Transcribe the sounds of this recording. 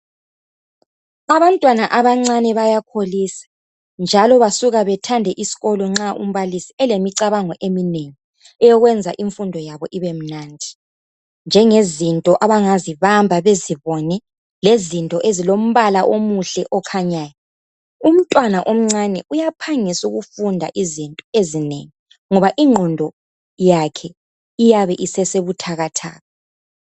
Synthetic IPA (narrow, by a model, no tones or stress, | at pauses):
aβantʼwanaʔaβaŋ͡ǀanɛβajakʰolisḁ | nd͡ʒʱalɔβasuɣaβɛtʰandʱɛʔisi̥ɣɔlɔŋ͡ǁaʔṵm̩βalisiɛlemiǀaβaŋɔʔemineŋi | ɛjɔɣwɛnd͡zʱaʔiɱfundʱɔjaβɔʔiβem̩nandʱi | nd͡ʒʱɛŋezintʼɔʔaβaŋaziβambʱaβeziβɔnɛ | lezintʼɔʔezilom̩βalaʔomuɬɛʔɔkʰaɲaːja | um̩tʼwanaʔom̩ŋ͡ǀanɛʔujapʰaŋisuɣufundʱa̰ʔizintʼɔezinḛŋi | ŋɔβaʔiŋ͡ǃʱɔndʱɔ | jakʰɛ | ijaβɛʔisɛseβutʰaɣatʰa̰ːɣɔ